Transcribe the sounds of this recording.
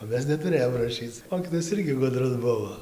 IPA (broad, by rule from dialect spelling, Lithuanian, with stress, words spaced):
oː ˈmʲɛs nʲɛtʊˈrʲeːjoːm rɐˈʃʲiːt͡s ˈmoːkʲiːtoːjɛs ˈɪrʲɡʲɪ ˈɡʊdrʊs ˈbʊʋoː